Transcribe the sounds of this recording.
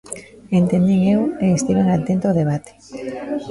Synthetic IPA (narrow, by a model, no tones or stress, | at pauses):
ent̪end̪iŋeweːst̪iβeŋat̪ent̪ooðeβ̞at̪e̥